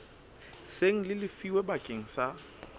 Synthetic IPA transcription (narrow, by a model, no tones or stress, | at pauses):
seŋ̩lɪlɪfiwebakʼeŋ̩sa